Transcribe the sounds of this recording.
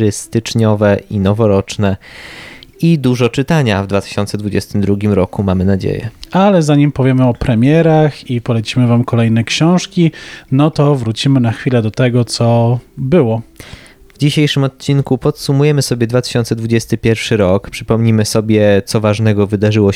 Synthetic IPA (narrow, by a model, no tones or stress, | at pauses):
ɘst̪ɘt͡ʂɲɔvɛʔinɔvɔɾɔt͡ʂnɛ | id̪uʐɔt͡ʂɘt̪aɲavd̪vat̪ɘ̥ɕɔnt̪sɛd̪vud͡ʑɛst̪ɘmd̪ɾuɡʲimɾɔkumamɘnad͡ʑḛjɛ̰alɛzaɲimpɔvʲjɛmɘɔpɾɛmʲjɛɾaxipɔlɛt͡ɕimɘvamkɔlɛjnɛkɕɔ̃w̃ʂkʲinɔt̪ɔvɾut͡ɕimɘnaxfʲilɛd̪ɔt̪ɛɡɔt̪sɔbɘwɔ | vd͡ʑiɕejʂɘmɔt̪̚t͡ɕinkupɔt̪sumujɛmɘsɔbʲjɛd̪vat̪ɘ̥ɕɔnt̪sɛd̪vud͡ʑɛst̪ɘpʲjɛɾfʂɘɾɔkpʂɘ̥pɔmɲimɘsɔbʲjɛt̪sɔvaʐnɛɡɔvɘd̪aʐɘwɔ